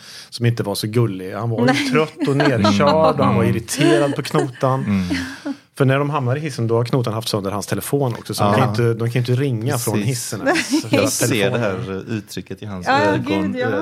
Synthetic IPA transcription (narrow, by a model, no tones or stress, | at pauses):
sɔmɪnt̪əvaɾʂɔɡɵlːɪhanvat̪ʰɾœt̪ːɔneːɾɕœːɖɔhanvaɾɪɾɪt̪ʰeːɾad̪̚pʰɔkʰnuːt̪an | fœɳæɖɔmɦamnaɾɪɦɪsːənd̪ɔhaɾkʰnuːt̪anɦaft̪sɵnd̪əɾhanst̪ʰɛlɛfoːnɔ̰ksɔsɔd̪ɔkʰanjʏnt̪əd̪ɔmkʰanjɪnt̪ːəɾɪŋːafɾɔnhɪsːənɔfastʰɛlːdɛɦæːɾʉːt̪ʰɾʏkːət̪ɪhansɡɔ